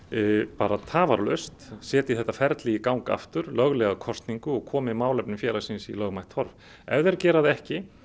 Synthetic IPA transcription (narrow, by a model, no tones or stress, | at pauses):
paːɾat̪ʰaːvaɾlœst̪sɛːt̪iθɛht̪ːafɛɾt̪liɪkawŋka̰ft̪ʏɾlœɣlɛɣakʰɔst̪niŋkʏɔɣkʰɔːmɪmaːwlɛp̚nɪmfjɛːlasɪnsilœɣmajht̪hɔɾv | ɛvðɛɾcɛːɾaðɛhcɪ